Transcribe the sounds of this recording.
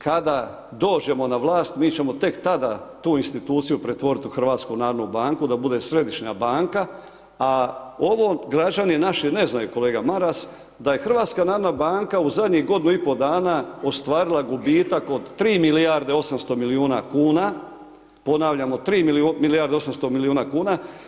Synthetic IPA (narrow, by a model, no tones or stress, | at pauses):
kad̪a | d̪o̞ːd͡ʒe̞mo̞naʋlˠaːst̪miːt͡ɕe̞mo̞t̪e̞kt̪ad̪a̰t̪uːinst̪it̪uːt̪sijupɾe̞t̪ʋo̞ɾit̪uxr̩ʋaːt̪skunaːɾnubaːŋkud̪abud̪e̞sɾe̞d̪iʃɲa̰baːŋka | ao̞ʋo̞ɡɾad͡ʒaninaʃine̞znajuko̞leːɡamaɾas | d̪aje̞xr̩ʋaːt̪skanaːɾnabaːŋkauzad̪ɲiɣɡo̞d̪inuipo̞d̪aːnao̞st̪ʋaːɾilˠaɡubiːt̪akod̪t̪ːɾiːmilijaɾd̪e̞o̞samst̪omiliuːna̰kuːna | po̞naːʋʎamo̞t̪ɾiːmumilijaɾd̪eo̞s̬amst̪o̞miliuːnakuːna